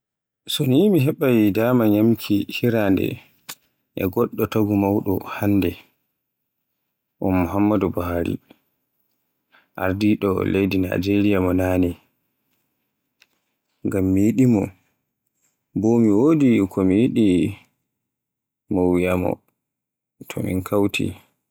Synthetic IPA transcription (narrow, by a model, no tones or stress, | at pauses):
sɔnimiɦɛɓajdamaɲamkʰihiɾandɛ̰ | ʔɛ̰ɡɔɗːɔtaɡumawɗɔ̰hanːdɛ | ʔɔnːuɦamːadubahaɾḭ | ʔa̰ɾdiɗɔlejdina̰d͡ʒeɾijamɔnanɛ | ŋɡamːijiɗimɔ | bomiwodikʰɔmijiɗi | mowijamɔ̰ | tʰɔ̰mḭnkʰawtʰḭ